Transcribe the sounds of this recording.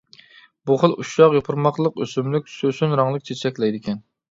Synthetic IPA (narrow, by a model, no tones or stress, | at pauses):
buχəlˠuʃɑqjopʰʊɾmɑqlˠəqøsymlyk̚ʲsøsynɾɑŋlˠək̚t͡ʃʰet͡ʃʰɛkʲlɛjd̪ɪkʲʰɛn